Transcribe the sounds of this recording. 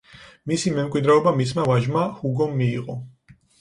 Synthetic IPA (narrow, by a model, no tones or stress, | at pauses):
misimɛmkʼwid̪ɾɛɔbamismavaʒmahuɡɔmːiːqʼɔ